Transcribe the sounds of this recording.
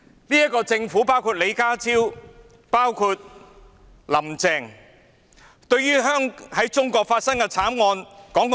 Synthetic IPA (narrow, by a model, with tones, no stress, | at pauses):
liː˥jɐ˥t̚kɔː˧t͡sɪ˧ŋfuː˨˥paː˥wkʰuː˧t̚le˨˧jkaː˥t͡sʰiː˥w | paː˥wkʰuː˧t̚ | lɐ˨˩mt͡sɛː˧˩ŋ | t̪ɵ˧ɥjyː˥ɦœː˥ŋhɐ˨˥jt͡ʃʊ˥ŋkɔː˧k̚faː˧t̚sɐ˥ŋkɛ˧t͡sʰaː˨˥mŋɔː˧nkɔː˨˥ŋk